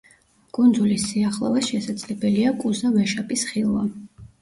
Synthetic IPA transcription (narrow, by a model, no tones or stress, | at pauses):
kʼund̪zulisːiaχlˠɔ̰vɛsʃɛsad̪zʼlɛbɛliakʼuzavɛʃapʼisχilˠva